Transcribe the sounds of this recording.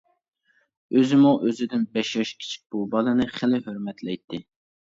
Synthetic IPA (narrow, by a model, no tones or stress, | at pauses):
øzɪmuʔøzɪd̪ɪnbɛʃjɑʃkʲʰi̥t͡ʃʰi̥k̚ʲb̥ubɑlˠɨnɨχɪlɪɦøɾmɛt̪lɛjt̪ʰːɪ